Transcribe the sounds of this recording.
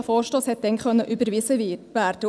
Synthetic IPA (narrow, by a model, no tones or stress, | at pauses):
fɔːʃtoːshɛt̚d̥ɛnkœnːəʔybəɾʋisəʋæːɾd̥ə